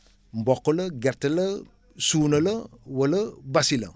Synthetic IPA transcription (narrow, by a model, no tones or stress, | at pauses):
m̩bɔkoləɡɛɾtələ | suːnələwələbasilə̰